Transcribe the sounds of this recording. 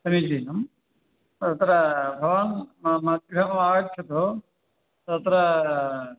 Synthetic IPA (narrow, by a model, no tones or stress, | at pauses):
sɐmid͡ʒiːnɐm | ɐt̪ɾɐbʱɐʋaːnmmɐt̪̚ɡɾɐɦɐmaːɐʈʰɐt̪oː | t̪ɐt̪ɾɐ